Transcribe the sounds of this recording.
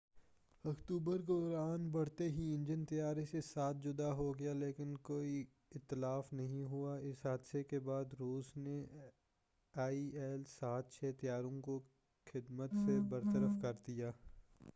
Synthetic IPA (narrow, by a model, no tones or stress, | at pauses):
ɐkt̪uːbəɾɡɔːɾaːnbɐɽ̤t̪eɦiɪ̃nd͡ʒənt̪ɐjaːɾesesaːt̪̚ʰd͡ʒʊd̪aɦoɡejaleːkɪnkoːi | ɪt̪ːɪlaːfnɐɦĩɦuaɪsɦaːd̪sekebaːd̪ɾuːsne | aːiɛːlsaːt̪̚t͡ʃʰɛːt̪ɐjaːɾõko | xɪd̪mət̪sebɐɾt̪əɾəfkɐɾd̪ijaː